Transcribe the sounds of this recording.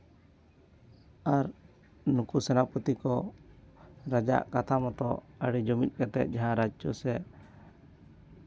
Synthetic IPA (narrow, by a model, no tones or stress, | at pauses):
aɾ | nukusɛnaput̪ikɔ | ɾad͡ʒa̰ʔkat̪ʰamɔt̪ɔ̰əɽid͡ʒɔmit̪̚ˀkɛt̪ɛ̰t̪̚d͡ʒaɦãɾad͡ʒt͡ʃɔsɛ